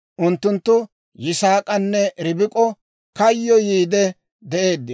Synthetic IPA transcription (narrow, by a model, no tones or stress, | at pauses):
ʔʊnt̪ːʊnt̪ːʊ | jɪsaːkʼɐnːɛɾɪbɪkʼɔ | kɐjːɔjiːd̪ɛ | d̪ɛʔe̞ːd̪ːɪ